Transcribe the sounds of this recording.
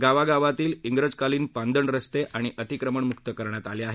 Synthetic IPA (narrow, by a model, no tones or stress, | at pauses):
ɡaʋaɡaʋat̪iːliŋɡɾəd͡zkaliːnpand̪əɳɾəst̪eʔʔaɽ̃iʔət̪ikɾəməɳmukt̪əkəɾɳjat̪aleaɦe